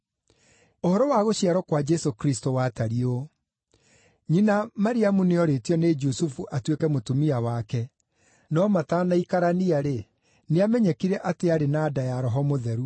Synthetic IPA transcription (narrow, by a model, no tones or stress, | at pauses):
ohɔɾɔwaɣoɕiaɾɔkwad͡ʒɛsokɾistowataɾio | ɲinamaɾiamuneɔɾetiɔned͡ʒusufuʔatwekɛmotumiawakɛ | nɔmatanaikaɾaniaɾe | neamɛɲɛkiɾɛʔateaɾenaːdajaɾɔɦɔmoðɛɾu